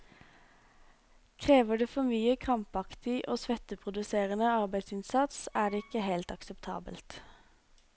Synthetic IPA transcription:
kʰʁeːʋəɖeːfɔmyːəkʰʁɑmpɑkt̪ɪʔoːsʋɛt̪əpʰʁʊd̪ʉseːʁənəɑʁbæɪd̪sɪnsɑt̪sæːɖeːɪkːəɦeɪlt̪ɑksəpt̪ʰɑ̰ːbə̰lt̪

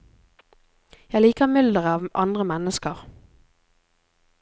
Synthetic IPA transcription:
jæɪliːkəʁmʏld̪əʁəɑːʋʔɑ̰nd̪ʁəmɛnəskəʁ

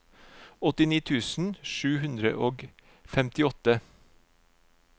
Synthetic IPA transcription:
ɔt̪ɪniːt̪ʰʉːsn̩ʃʉːhʉnd̪ɾə̰ʔoːɡ | fɛmt̪ɪɔt̪ə

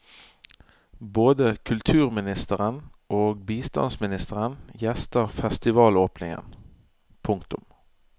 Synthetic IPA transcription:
boːd̪əkʰʉlt̪ʰʉːʁmɪnɪst̪əʁənʔoːɡbiːst̪ɑ̰nsmɪnɪst̪əʁənjɛst̪əʁfɛst̪ɪʋɑːloːpnɪŋə̰n | pʰʊŋkt̪ʊm

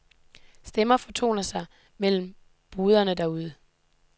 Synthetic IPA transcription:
sd̥emɐfɒ̽t͡sʰo̝̰ːnɐsɑ̈ɪ | mel̰m̩ | b̥uːð̞ˠɐnəd̥æuð̞ˠə

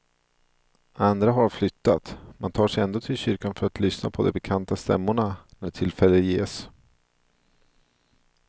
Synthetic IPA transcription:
ʔand̪ɾaɦaɾflʏt̪ːat̪mant̪ʰɑːʂɛjɛnd̪oːt̪ʰɪlɕʏɾkanfœɾat̪ʰlʏsna̰pʰɔd̪ɛbɛkʰant̪ast̪ɛ̰mːʊɳanæʈʰɪlfɛlːəjeːs

